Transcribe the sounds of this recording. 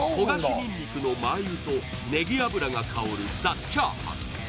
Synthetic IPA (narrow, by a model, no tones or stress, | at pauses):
ho̞ɡaɕinʲĩɲʲːikɯ̟no̞maiɯ̟t̪o̞ | ne̞ɡʲiabɯ̟ɾaŋakʰaoɾɯ̟d͡zat͡ɕːaːhã̰